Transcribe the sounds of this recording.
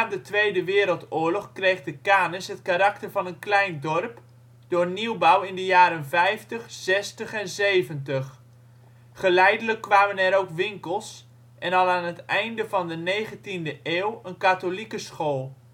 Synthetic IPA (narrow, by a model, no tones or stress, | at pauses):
aːdətʋejdəʋɪːɾəlˠtʊːɹlɔχkrejχdəkaːnɪsɦətkaɾɑktərvɑnənklɛjndɔrp | d̥ʊːɹniwbawɪndəjaːɾənvɛjftəχsɛstəχɛnzejvəntəχ | χəlɛjdələkːʋaːmənɛɾowkʋɪŋkəlˠs | ʔɛnɑlˠaːnətɛjndəvɑndənejχəntindəʔeːwənkatolikəsχolˠ